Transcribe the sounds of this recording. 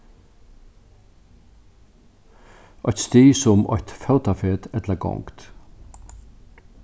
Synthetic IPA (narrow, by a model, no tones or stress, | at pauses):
ɔʏt̪st̪eːsʊmɔ̰ht̪fɛwt̪afeːt̪ɛt̪laɡɔ̰ŋkt̪